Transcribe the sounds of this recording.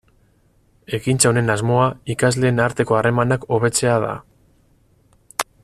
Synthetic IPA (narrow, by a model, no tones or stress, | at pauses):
e̞kint͡saone̞nazmo̞aikazle̞ːnaɾt̪e̞ko̞are̞manako̞β̞e̞t͡se̞að̞a̰